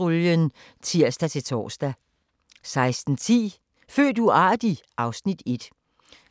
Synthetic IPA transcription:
uljən | t͡sʰiɐ̰sd̥æt͡sʰe̝t͡sʰɒ̰ːsd̥æ | sɑ̈ɪsd̥n̩t͡sʰḭː | fø̰ːd̥uɑ̈ːd̥iʔɑ̈ʊsnid̥e̝d̥

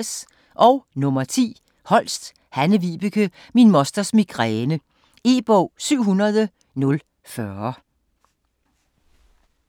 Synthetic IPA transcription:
s | ʔɒʊnɔ̽mɐt͡sʰḭː | hɒ̽l̰sd̥ | hænəʋiːb̥əkʰə | minmɒ̽sd̥ɐsmiɡ̥ʁɛːnə | e̝ːb̥ɔʊ̰syʊ̰ɦunɐð̞ˠə | nɔ̽l | fɶɐ

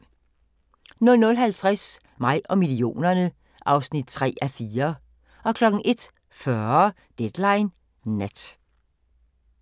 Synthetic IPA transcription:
nɔ̽lnɔlɦælt͡sʰʁas | mɑ̈ɪ̰ʔɒ̽milio̝̰ːnɐnə | ʔɑ̈ʊsnid̥̚t͡sʰʁɛ̰ːæfiːɐ | ɒ̽kʰlɒ̽ɡ̥n̩ʔe̝d̥ | fɶ | d̥ed̥lɑ̈ɪn | næd̥

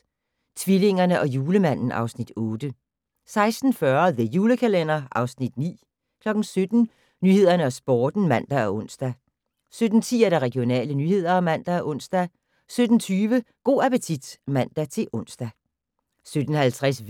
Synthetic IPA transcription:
t͡sʰʋile̝ŋɐnəʔɒ̽juːləmæn̰n̩ʔɑ̈ʊsnid̥ɔ̽ːd̥ə | sɑ̈ɪsd̥n̩fɶɐðe̝juːləkʰælen̰ɐʔɑ̈ʊsnid̥nḭː | kʰlɒ̽ɡ̥n̩sød̥n̩ | nyːhe̝ð̰ˠɐnəɒ̽sb̥ɒːd̥n̩mæn̰d̥æɒʔɔ̽n̰sd̥æ | sød̥n̩t͡sʰḭːæɐɾ̥æɑʁɛɡ̥ijo̝nɛ̰ːlənyːhe̝ð̞̰ˠɐɒ̽mæn̰d̥ææʔɔ̽n̰sd̥æ | sød̥n̩t͡sʰyːʋəɡ̥o̝̰ːæpət͡sʰid̥mæn̰d̥æt͡sʰe̝lʔɔ̽n̰sd̥æ | sød̥n̩hælt͡sʰʁas

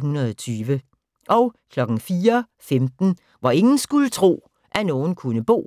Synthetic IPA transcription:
hunɐðˠɒt͡sʰyːʋə | ʔɒʊkʰlɒ̽ɡ̥n̩fiːɐ | femd̥n̩ | ʋɑ̈e̝ŋn̩sɡ̥ulət͡sʰʁo̝̰ː | ʔæno̝ːn̩kʰunəb̥o̝̰ː

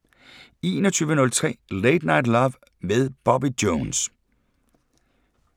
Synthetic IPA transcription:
e̝ːnɒt͡sʰyːʋənɔ̽lt͡sʰʁɛ̰ːleɪd̥nɑ̈ɪd̥lɒːʋ | meðˠb̥ɒb̥id̥joːns

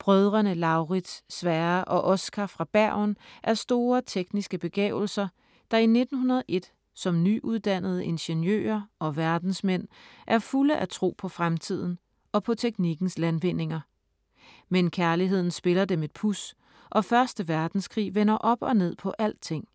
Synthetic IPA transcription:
b̥ʁœð̞ˠʁɐnəlɑ̈ʊʁi̥sːʋɛːɐʔɒ̽ʔɒ̽sɡ̥ʰæfʁɑ̈b̥æɐnʔæɐsd̥o̝ːɐt͡sʰeɡ̥nisɡ̥əb̥e̝ɡ̥ɛ̰ːʊl̩sɐ | d̥ɑ̈ine̝d̥n̩ɦunɐð̞ˠʔe̝d̥ | sɒ̽mnyʔuð̞ˠd̥æn̰əð̞̩ˠəe̝nɕenjø̰ːɐʔɒ̽ʋæɐd̥n̩smen̰ʔæɐfuləʔæt͡sʰʁo̝̰ːpʰɒ̽fʁamt͡sʰið̞̰ˠn̩ | ɒ̽pʰɒ̽t͡sʰeɡ̥niɡ̥n̩slænʋen̰e̝ŋɐ | menkʰæɐliɦe̝ð̞̰ˠn̩sb̥e̝lɐd̥eme̝d̥̚pʰus | ʔɒ̽fɶɐsd̥əʋæɐd̥n̩skʰʁḭːʋenɐʔɒ̽b̥ɒ̽ne̝ð̰ˠpʰɒ̽ʔæl̰d̥̚t͡sʰe̝ŋ̰

